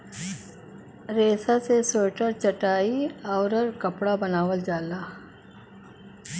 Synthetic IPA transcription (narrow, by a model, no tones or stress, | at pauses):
ɾeːsasesoːʈəɾt͡ʃəʈaːiaːɾəɾkəpɽabɐnaːʋəld͡ʒaːlaː